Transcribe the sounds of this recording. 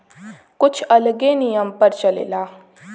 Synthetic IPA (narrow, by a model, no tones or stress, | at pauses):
kʊt͡ʃʰɐlɡenijəmpəɾt͡ʃəlḛlaː